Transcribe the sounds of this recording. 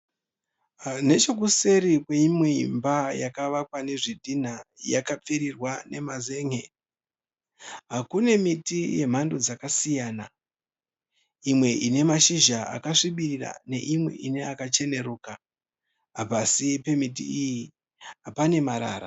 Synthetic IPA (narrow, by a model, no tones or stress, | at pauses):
ane̞t͡ʃo̞k̬use̞ɾikwe̞imweimbajakaʋak̚wane̞ʐidʱin̤aja̰kap͡feɾirwane̞maze̞ːŋe̞ | ɦakune̞mitije̞m̤ando̞d͡zakasijaːna | imwe̞ʔine̞maʃiʒaa̰kaʂiɓirira̰ne̞̰ʔimwe̞̰ʔine̞akat͡ʃe̞ne̞ɾuːka | ɦapasipe̞mitḭiji | ɦapane̞maɾa̰ːɾa̰